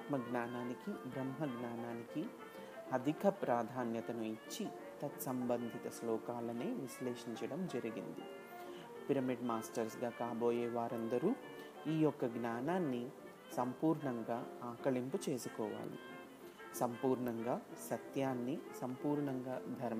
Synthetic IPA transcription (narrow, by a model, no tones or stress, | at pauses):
t̪mɐɡnaːnaːnikibɾɐmɦɐɡnaːnaːniki | ɐd̪ʱikʰɐpɾaːd̪ʱaːnjɐt̪ɐnuit͡ʃːi | t̪ɐt̪sɐmbɐnd̪ʱit̪ɐslɔːkaːlɐneːʋisleːʂiɲt͡ʃɐɽɐmd͡ʒɐɾiɡḭnd̪ḭ | piɾɐmiɖmaːsʈɐɾsɡaːkaːboːjɛːʋaːɾɐnd̪ɐɾuː | iːjɔkːɐɡnaːnaːnːi | sɐmpuːɾɳɐŋɡaːaːkɐɭimput͡ʃe̞ːsukɔːʋa̰ːlḭ | sɐmpuːɾɳɐŋɡaːsɐt̪jaːnːisɐmpuːɾɳɐŋɡaːd̪ʱɐɾm